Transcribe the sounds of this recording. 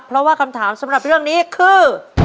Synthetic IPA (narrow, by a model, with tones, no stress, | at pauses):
pʰɾɔ˦˥waː˥˩kʰa˧mt̪ʰaː˩˦msa˨˩˦mɾa˨˩p̚ɾɯ˥˩əŋniː˦˥kʰɯː˧˩